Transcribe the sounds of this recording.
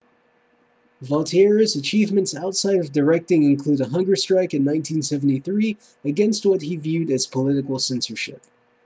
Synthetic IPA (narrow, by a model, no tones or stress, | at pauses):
vɑlˠtʰiɛɹɨzɨt͡ʃʰivmɨ̃ntsaʊtsaɪɾʌvdə˞ɛk̚tɪ̃ŋɨ̃nkʰl̥uɾəɦʌ̃ŋɡə˞stɹ̥aɪkɨ̃nːãɪ̃ntʰĩnsɛvn̩tiθɹi | ɨɡɛ̃nst̚wʌt̚ɦivjʉɾɨz̥pʰəlɪɾɨkl̩ˠsɛ̃nsə˞ʃɪ̰p̚